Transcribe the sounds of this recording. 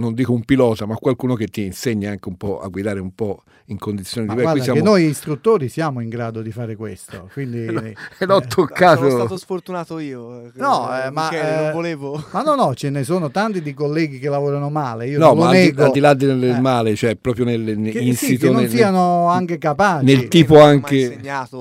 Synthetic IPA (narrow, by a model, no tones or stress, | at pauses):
nond̪iːkoumpilɔːt̪amakːwalkuːnok̟et̪ːiːnseɲːaaŋkeumpɔa̰ɡwid̪aːɾeumpɔ | iŋkond̪it̪sːjoːnid̪ivɛkaɾidasakenːojist̪ɾut̪ːoːɾisjaːmoiŋɡɾaːd̪od̪ifaːɾekwest̪o̰kwind̪ilɔt̪ʰːokːaːt̪oat̪osfoɾt̪unaːt̪oiːonɔɛmavoleːvomanːɔnɔt͡ʃenesoːnot̪ant̪id̪ejkolːɛːɡik̟elːavoːɾanomaːleiːonɔlonɛːɡoald̪ilad̪ːeelmaːlet͡ʃoɛpːɾɔːpɾjonelninsiitk̪ːeonnsiːanoaŋkekapaːt͡ʃnelt̪iːpoaŋk̟eɲːaːt̪o